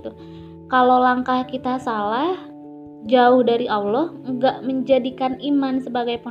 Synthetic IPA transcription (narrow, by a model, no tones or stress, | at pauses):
t̪u | kalolaŋkahkit̪asalah | d͡ʒaʊhdaɾiʔawlɔh | ŋɡaʔməɲd͡ʒadikanimansəbaɡajpɔ